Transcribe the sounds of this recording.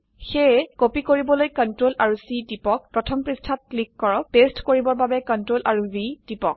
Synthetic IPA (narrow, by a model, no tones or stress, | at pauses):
xɛkopikoɹibɔlojkɔntɹolʔaɹusitipɔk̚pɹɔtʰɔmpɹistʰat̚klikːɔɹɔtestkoɹibɔɹbabɛkɔntɹolʔaɹubitipɔ̰k̚